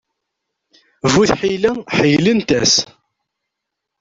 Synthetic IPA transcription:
vuθħijlæħəjlənt̪æs

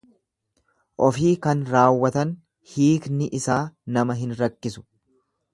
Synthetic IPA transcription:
ʔɔfiːkɐnɾaːwːɐt̪ɐn | hiːknɪʔɪsaːnɐmɐɦɪnɾɐkːɪsʊ̥

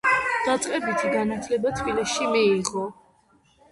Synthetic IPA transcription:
d̪̥at̪sʼqʼɛbit̪ʰiɡanat̪ʰlɛbat̪ʰvilɛʃimiiʁɔ

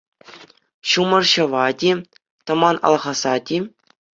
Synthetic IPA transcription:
ɕumɤ̆rɕɤ̆ʋɑdʲi | t̪ɤ̆mɑnɑ̰lˠʁɑzɑdʲi

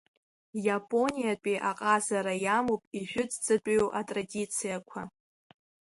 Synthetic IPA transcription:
japʼo̞nʲijatʷʼiʔaqʼazaɾajamopʼiʒᶣʷʏd͡zd͡zat͡pʼjoʔatʼradʲit͡sʰijakʷʰa

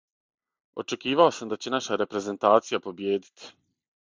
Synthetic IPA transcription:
o̞t͡ʃe̞kiːʋao̞samd̪at͡ɕe̞naʃaɾe̞pɾe̞ze̞nt̪aːt̪sijapo̞bjeːd̪i̥t̪ʰi̥

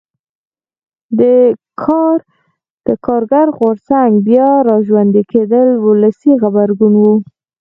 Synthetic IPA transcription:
d̪əkʰɑɾ | d̪̥əkɑɾɡaɾɣoɾzaŋɡbjɑɾɑʒwand̪iked̪əlwʊləsiɣabaɾɡunwu

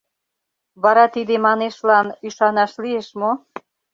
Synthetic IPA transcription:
βɑɾɑt̪id̪emɑneʃlɑnyʃɑnɑʃlieʃmo

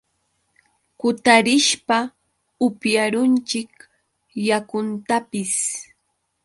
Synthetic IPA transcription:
kʊt̪aɾɪʃpa | ʊpjaɾʊnt͡ʃɪk | jakʊnt̪apɪs

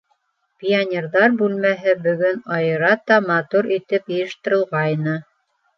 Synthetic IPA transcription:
pʲianʲerðɑɾbʉlmæɦɘbɵ̆ɡɵnɑjɤ̆ɾɑt̪ːɑmɑt̪uɾit̪ɘpjɘ̆jɤ̆ʃt̪ɤ̆ɾɤ̆lˠʁɑjnɤ

